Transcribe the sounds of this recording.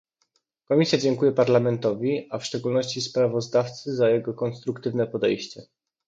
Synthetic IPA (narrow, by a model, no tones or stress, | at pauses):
kɔmʲisʲjad͡ʑɛŋkujɛpaɾlamɛnt̪ɔvʲiafʂt͡ʂɛɡulnɔɕt͡ɕispɾavɔzd̪aft̪sɘzajɛɡɔkɔnst̪ɾukt̪ɘvnɛpɔd̪ɛjɕt͡ɕɛ